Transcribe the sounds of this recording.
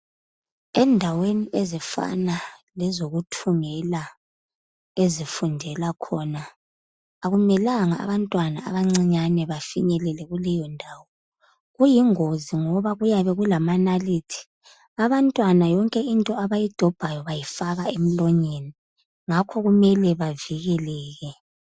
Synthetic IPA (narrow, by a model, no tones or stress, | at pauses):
ɛndʱaweniʔezifa̰nalɛzoɣutʰuŋɛla | ezifundʱɛlakʰɔnaː | ɣumɛlaŋaa̰βantʼwanaa̰βaŋ͡ǀiɲanɛβafiɲɛlɛlɛɣulɛjɔndʱaːwɔ | ɣujiŋoziŋɔβaɣujaβɛɣulamanalitʰi̥ | aβantʼwanajɔŋkʼɛintʼɔaβajid̥ʱɔb̥ʱajɔβajifaɣaem̩lɔɲeni | ŋakʰɔɣumɛlɛβaviɣɛlɛːɣɛ